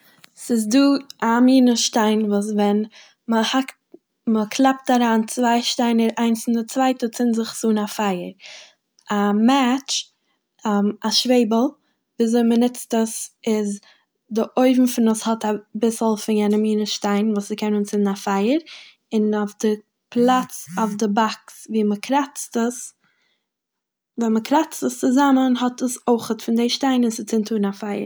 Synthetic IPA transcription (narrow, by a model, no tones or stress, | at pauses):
sɪzduːamiːnəʃtaɪnvuːsvɛn | məhakt | məkʰlˠɛp̚taɾaːnt͡svaɪʃtaɪnəɾaɪnsɪndət͡svaɪtət͡sɪnzɪχzuːnafaɪəɾ | amɛt͡ʃ | aʃveɪbəl̩ˠ | viːzoɪmənɪt͡stəsɪz | dɪʔoɪvm̩fɪnəshɔtabɪsl̩ˠfɪnjɛnəmiːnəʃtaɪnvuːsɪkʰɛnunt͡sɪnnafaɪəɾ | ɪnofdɪ | pʰlˠat͡safdɪbaksviːməkʰɾat͡stəs | vɛnməkɾat͡stəst͡sɪzamənɦɔtəsoɪχətfɪndeɪʃtaɪnɪnsɪt͡sɪntʰuːɾnafaɪə̰ɾ